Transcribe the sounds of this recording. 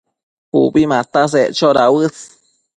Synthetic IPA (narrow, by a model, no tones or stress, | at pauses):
hṵbimat̪as̬et͡ʃoɾawɨs